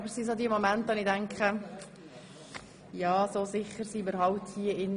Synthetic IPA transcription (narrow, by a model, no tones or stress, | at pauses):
bəɾsisod̪iəmomæntonidæŋkχə | jɑːsoːsɪχːəɾsimɪɾhɑwthiəɪn